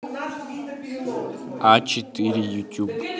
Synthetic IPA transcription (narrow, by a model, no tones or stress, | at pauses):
at͡ʃit̪iɾijut̪ʲub